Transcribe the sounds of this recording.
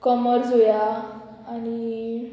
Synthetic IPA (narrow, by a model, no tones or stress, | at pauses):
kɔməɾsɦojaː | ni